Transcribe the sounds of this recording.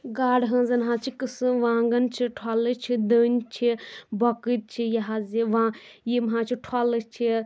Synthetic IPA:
ɡaːɽɦɐ̃ːzɐnɦãːt͡ʃʰikɨsɨʋãːŋɡɐnt͡ʃʰiʈʰalɨt͡ʃʰid̪əːnʲt͡ʃʰibɐkɨt̪̚t͡ʃʰijɐɦaziʋãːjimɦãːt͡ʃʰiʈʰaːlɨt͡ʃʰi

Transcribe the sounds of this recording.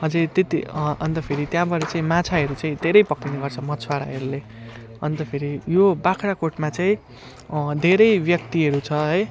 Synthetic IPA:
ɦʌd͡zʌt̪et̪ḭʌnt̪ʌpʰeɾit̪jãbʌɾʌt͡saĩmat͡sʰaɦʌɾut͡saĩd̪ʱeɾʌjpʌkːineɡʌrt͡sʰʌmʌt͡sʰwaɾa̰ɦʌɾule | ʌnt̪ʌpʰeɾijobakʰɾakoʈmat͡saĩ | d̪ʱeɾʌjbjʌk̚t̪iɦʌɾut͡sʰʌɦʌj

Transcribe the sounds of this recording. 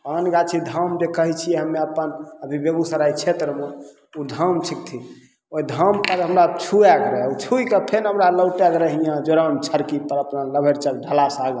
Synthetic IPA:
panɡat͡ʃʰid̪ʱəmd͡ʒekəɦit͡ʃʰijɛɦəmːeəpənəbʱibeɡusəɾajt͡ʃʰet̪ɾəme | ud̪ʱəmt͡ʃʰik̚t̪ʰi | oid̪ʱəmpəɾɦəmɾat͡ʃʰuɛkɾɛut͡ʃʰujkəpʰenɦəmɾaləwʈeɡɾəɦijãd͡ʒoɾənt͡ʃʰəɾkipəɾəpnaləbʱeɾt͡ʃək̚ɖʱəlasaɡə

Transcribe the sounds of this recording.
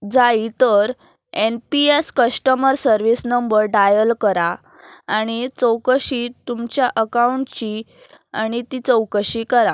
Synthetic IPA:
d͡zait̪əɾ | enpieskəsʈəməɾsəɾʋisnəmbəɾɖajəlkəɾaː | ɽ̃it͡səwkəɕiːt̪umt͡ɕjaʔəkauɳʈt͡ɕiː | aɽ̃it̪it͡səwkəɕiːkəɾa

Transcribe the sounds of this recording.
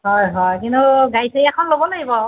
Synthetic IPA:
ɦɔjɦɔjkintuɡajsʰejɛkʰɔnlobɔloɡibɔ

